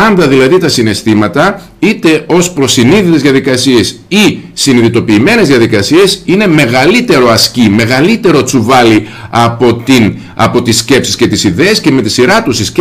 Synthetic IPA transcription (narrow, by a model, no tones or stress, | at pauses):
ɐnd̪ɐðilɐðit̪ɐsine̞st̪imɐt̪ɐ | it̪e̞ʔo̞spɾo̞siniðit̪ezðjɐðikɐsie̞sisiniðit̪o̞piːme̞ne̞zðiɐðikɐsie̞sine̞me̞ɣɐlit̪e̞ɾo̞ɐscime̞ɣɐlit̪e̞ɾo̞t͡suvɐli | ɐpo̞t̪in | ɐ̰po̞t̪isce̞psisce̞t̪isiðe̞ːsce̞me̞t̪isiɾɐt̪usisc